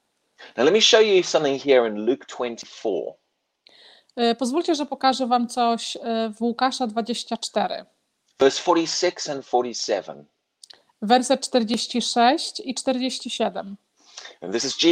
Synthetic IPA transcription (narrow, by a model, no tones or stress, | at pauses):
naʊlɛt̚miʃoʊjəsʌ̃mθɪ̃ŋhiəɹɪ̃nlʉˑktʰw̥ɛ̃ntʰifɔ̰ː | pɔzvulʲt͡ɕɛʐɛpɔkaʐɛvamt̪sɔɕvwukaʂad̪vad͡ʑeɕt͡ɕat͡ʂt̪ɛɾɘ̰ | v̥ɜˑsfɔˑɾisɪksə̃nfɔˑɾisɛ̰və̰̃n | vɛɾsɛt̪̚t͡ʂt̪ɛɾd͡ʑeɕt͡ɕiʂɛɕt͡ɕit͡ʂt̪ɛɾd͡ʑeɕt͡ɕiɕɛd̪ɛm | nðɪsɪzi